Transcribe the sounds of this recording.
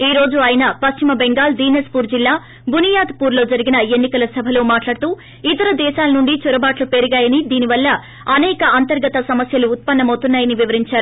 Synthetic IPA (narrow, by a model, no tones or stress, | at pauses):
iːɾo̞ːd͡ʒuaːjɐnɐpɐʃt͡ʃimɐbeŋɡaːld̪iːnespuːɾd͡ʒilːaː | bʱunijaːd̪puːɾlo̞ːd͡ʒɐɾiɡinɐe̞nːikɐlɐsɐbʱɐlo̞ːmaːʈlaːɽt̪uː | it̪ɐɾɐd̪ɛːʃaːlɐnuɳɖit͡ʃɔɾɐbaːʈlupeɾuɡaːjɐnid̪iːniʋɐlːɐ | ɐnɛːkɐɐnt̪ɐɾɡɐt̪ɐsɐmɐsjɐluːt̪̚pɐnːɐmɐwt̪unːaːjɐniʋiʋɐɾiɲt͡ʃaːɾu